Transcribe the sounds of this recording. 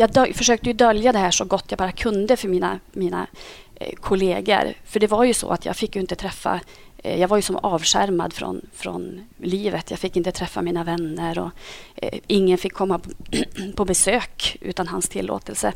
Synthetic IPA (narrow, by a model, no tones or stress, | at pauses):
jɑːd̪fœʂøːk̚t̪əjɵd̪œljad̪ɛhæːʂɔɡɔt̪ːjɑaɡbɑːɾakʰɵnd̪əfœɾmiːna̰miːna̰ | kʰʊleːɡə̰ɾfœɖɛvaɾjɵsɔ̰a̰t̪ʰjɑ̰ːɡfɪkːjɵɪnt̪ət̪ʰɾɛfːa̰ | jɑːɡvaɾjɵsɔmɑːvʂæ̰ɾma̰d̪fɾɔ̰nfɾɔ̰nliːvət̪jɑ̰ːfɪkːɪnt̪ət̪ʰɾɛfːamiːnavɛnːəɾɔ | ʔɪŋːənfɪkʰːɔmːa | pʰɔbɛsøːkʔʉ̰ːt̪anɦanst̪ʰɪ̰lːo̰ːt̪əlsə